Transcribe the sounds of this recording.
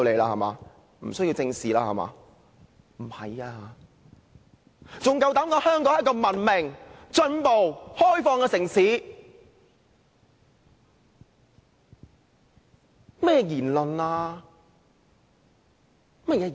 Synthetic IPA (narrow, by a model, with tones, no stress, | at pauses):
le˨˧laː˧hɐ˨˩ma̰ː˨˧ | m̩˨˩sɵ˥ji˧wt͡sɪ˧ŋsiː˨laː˧˥hɐ̰˨˩ma̰ː˨˧ | m̩˨˩hɐ̰˨jaː˧ | t͡sʊ˨ŋkɐ˧wt̪ɐː˨˥mkɔː˨˧hœː˥ŋkɔː˨˥jt̚kɔː˧mɐ˨˩nmɪ˨ŋt͡ʃɵ˧npo˨whɔː˥jfɔː˧ŋkɛː˧sɪ˨˩ŋsiː˨˥ | mɛː˥jɛ˧jiː˨˩nlɵ˨nlaː˧ | mɐ˥t̚jɛː˧